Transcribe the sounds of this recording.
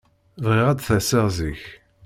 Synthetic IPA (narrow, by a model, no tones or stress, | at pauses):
vʁɪʁæd̪θæsəʁziç